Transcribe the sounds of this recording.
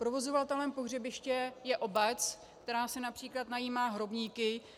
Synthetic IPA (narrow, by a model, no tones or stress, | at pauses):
pɾovo̞zo̞vat̪ɛlɛmpo̞ɦr̝ɛbɪʃcɛjɛʔo̞bɛt͡s | kkt̪ɛɾaːsɛnapr̥iːklat̪najiːmaːɦɾo̞bɲiːkɪ